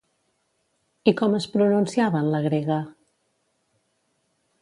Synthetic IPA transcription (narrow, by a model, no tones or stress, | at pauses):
ikɔməspɾununsiaβənləɣ̞ɾeɣə